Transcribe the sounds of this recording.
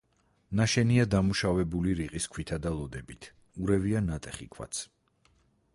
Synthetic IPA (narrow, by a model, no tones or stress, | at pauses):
naʃɛniad̪amuʃavɛbuliɾiqʼiskʰwit̪ʰad̪alˠɔd̪ɛbit̪ʰ | uɾɛvianat̪ʼɛχḭkʰwa̰t̪sʰ